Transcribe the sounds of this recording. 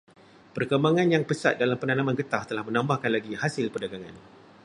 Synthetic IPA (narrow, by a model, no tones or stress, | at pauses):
pərkəmbaŋãnjaŋpəsa̰t̪̚dalampənanãmãnɡət̪aht̪əlahmə̃nãmbahkanlaɡihasɪlpərdaɡaŋã̰n